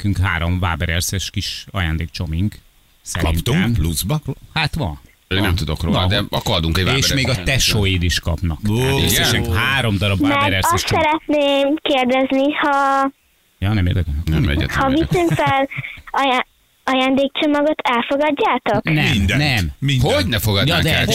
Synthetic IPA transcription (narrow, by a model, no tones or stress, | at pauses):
kyŋkɦaːɾomva̰ːbɛɾɛrsɛʃkiʃɒ̰ja̰ːnd̪eːk̚t͡ʃo̞miŋk | sɛ̰ɾḭnt̪uɛmpluzbhat̪ʋɒ̰nː | nɛmt̪ud̪okro̰nːld̪ɛɒkɒd̪uŋkɛveːʃʃmeːɡɒt̪ɛʃojid̪iʃkɒpnɒksɡsɛʃɛŋɦaːɾo̞md̪ɒɾɒbamːɛɾɛrɒsʃt̪sɛɾɛt̪neːmkeːrd̪ɛznihɒ | jɒːnɛmḛrd̪ɛkɛʃnɛ̰mɛ̰ɟɛ̰hɒvisyŋkfɛlɒja | ɒjaːnd̪eːkt͡ʃomɒɡot̪ʰɛlfo̞ɡɒɟːaːt̪ok̪ɛmmind̪ɛnɛmminhoɟnɛfoɡɒjd̪ɛa